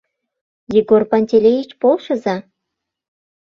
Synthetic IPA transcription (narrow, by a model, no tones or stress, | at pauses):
jiɡorpɑnʲtʲelʲejit͡ɕpolˠʃɤ̆zɑ